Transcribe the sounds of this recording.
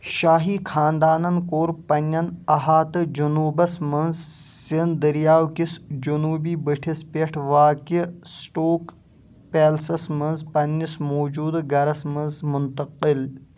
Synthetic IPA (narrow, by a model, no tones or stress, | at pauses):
ʃaːɦiːkʰaːnd̪aːnɐnkoːɾpɐnʲːɐnɐɦaːt̪ɨd͡ʒunuːbɐsmɐnzsind̪ɐɾjaːwkisd͡ʒunuːbiːbəʈʰispeʈʰʋaːkisʈoːk | peːlsɐsmɐnzpɐnːismoːd͡ʒuːd̪ɡɐɾɐsmɐnzmʊnt̪ɐqil